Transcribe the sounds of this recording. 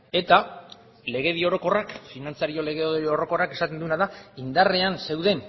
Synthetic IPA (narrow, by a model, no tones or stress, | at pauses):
e̞t̪a | le̞ɣ̞e̞ðio̞ɾo̞ko̞rakfinant͡saɾio̞le̞ɣeoɾo̞ko̞rake̞sat̪e̞nd̪uenaðaind̪areanse̞wðe̞n